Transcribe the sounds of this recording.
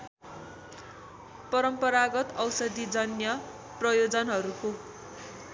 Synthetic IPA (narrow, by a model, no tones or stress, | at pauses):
pʌɾʌmpʌɾaɡʌt̪ʌwsʌd̪id͡zʌnjʌ | prʌjod͡zʌnɦʌɾuko